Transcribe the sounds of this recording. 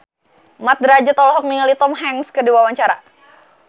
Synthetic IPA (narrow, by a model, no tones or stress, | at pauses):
mat̪̚dɾad͡ʒat̪ɔlɔɦɔk̚niŋəlit̪ɔmɦɛŋskədiwawaɲt͡ʃaɾa̰